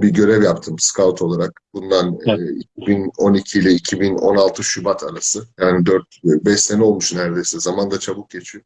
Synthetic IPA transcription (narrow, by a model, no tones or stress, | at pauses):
biɟø̞ɾɛvjap̚t̪ʰɯmskʰavt̪ʰo̞lˠaɾak̚bund̪anːḭcʰibino̞nicʰiːlʲɛicʰibino̞̰nalˠt̪ʰɯʃybat̪ʰaɾasɯjaːnid̪øɾt̪bɛʃenɛo̞lˠmuʃnæɾd̪e̞jsɛzamand̪at͡ʃʰabuk̚ɟet͡ʃʰyjɔ